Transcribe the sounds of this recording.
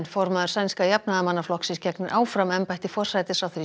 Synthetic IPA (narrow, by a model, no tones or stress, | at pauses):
nfɔɾmaðʏɾ̥sajnskajapnaðamanːaflɔhksɪnscɛknɪɾʔaːwfɾamɛmpajht̪ɪfɔr̥sajt̪ɪsawθɾi